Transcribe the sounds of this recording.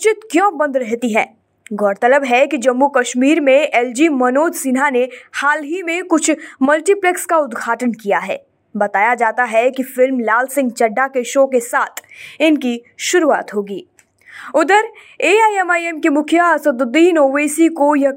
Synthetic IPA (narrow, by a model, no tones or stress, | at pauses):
t͡ʃɪt̪kjɔ̃ːbɐ̃nd̪ɾɛɦt̪iɦɛ̃ː | ɡʱɔːɾt̪ələbɦɛkid͡ʒɐmːukɐʃmiːɾmẽʔɛːld͡ʒiːmɐnoːd̪siːnɦanehaːlɦimẽkʊt͡ʃʰmɐlʈiplɛkskaʊd̪ɡʱaːʈənkijaɦɛ̰ː | bɐt̪aːjad͡ʒaːt̪aɦɛkifɪlmlaːlsɪ̃ŋɡt͡ʃɐɖːakeʃoːkesaːt̪ʰɪnki | ʃʊɾua̰ːt̪ɦoːɡiː | ʊd̪əɾ | eːaːiɛmaːiɛmkemʊkʰjəɐsəd̪ʊd̪iːnoːʋeːsikojɐ